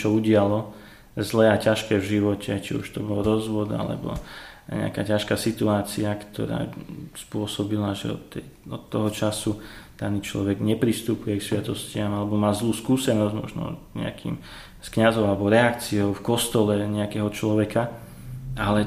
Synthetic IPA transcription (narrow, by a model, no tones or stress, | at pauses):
t͡ʃɔuɟɪalɔ | zlɛːacaʃkɛːvʒiʋɔcɛt͡ʃḭṵʃt̪ɔbɔlɾɔzʋɔd̪a̰lɛ̰bɔ̰ɲɛ̰a̰ka̰ːcaʃkaːsit̪uaːt͡siakt̪ʰɔ̰ɾa̰ːspʊɔsɔbilaʒɛ̰ɔ̰t̪ːɛjɔt̪ːɔɦɔt͡ʃasud̪̥aniːt͡ʃlɔ̰ʋɛɡɲɛpɾist̪upujɛksʋɪat̪ɔscɪamalɛbɔmaːzluːskuːsɛnɔzɟmɔ̰ʒnɔ̰ɲɛ̰a̰kʰḭːm | skɲazɔʊalɛbɔɾɛakt͡siɔʊfkɔst̪ɔlɛɲɛakɛːɦɔt͡ʃlɔʋɛka | ʔalɛ